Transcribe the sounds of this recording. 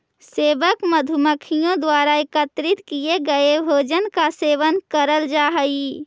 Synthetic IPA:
seːʋəkməd̪ʱuməkʰijõd̪waːɾaekət̪ɾɪt̪kijeɡəebʱoːd͡ʒənkaseːʋənkəɾəld͡ʒaːɦəi

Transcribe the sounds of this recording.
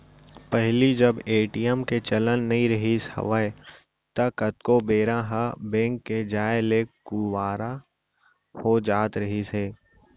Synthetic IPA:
pɛɦlid͡ʒɐbeːʈijəmket͡ʃɐlənːɐɦĩɾɐɦishɐ̰ʋəe | t̪ɐkɐt̪kobeːɾãɦəbɛ̃ːŋkːed͡ʒaːeleːkːuwaːɾa | hod͡ʒaːt̪ɾɐɦiseː

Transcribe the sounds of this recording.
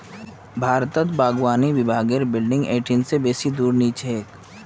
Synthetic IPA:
bʱaːɾt̪ət̪baːɡwaːniʋɪbʱaːɡəɾbɪlɖɪ̃ŋɡeːʈʰɪnsebeːsid̪uːɾniːt͡ʃɦeːk

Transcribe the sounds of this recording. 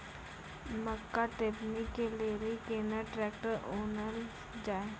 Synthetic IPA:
məkːaʈeːknikːeleːlikenaʈɾɛːkʈəɾoːnəl | d͡ʒaːe

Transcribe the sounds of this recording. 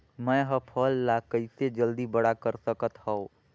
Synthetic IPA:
mə̃jɦəpʰəlːakəɪsed͡ʒəld̪ibəɽakəɾsəkət̪həõ

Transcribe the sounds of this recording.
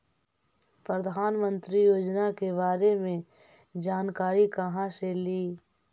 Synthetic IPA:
pɾəd̪ʱaːnmə̃nt̪ɾijoːd͡ʒnakebaːɾemẽ | d͡ʒaːnkaːɾikəɦãseliː

